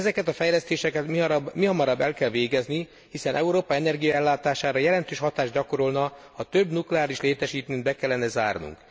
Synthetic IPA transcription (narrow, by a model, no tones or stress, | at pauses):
zɛkɛt̪ɒfɛjlɛst̪eːʃɛkɛt̪ibmiɦɒmɒɾɒbːɛlkɛlʋeːɡɛzni | hisɛnʔɛuɾoːpɒɛnɛrɡijɒɛlːaːt̪aːʃaːɾɒjɛlɛnt̪øːʃhɒt̪aːʒɟɒko̞ɾo̞lnɒ | ɒt̪ø̞bnuklɛaːliʃleːt̪ɛʃiːt̪nynd̪bɛkɛlːɛnɛzaːrnṵŋk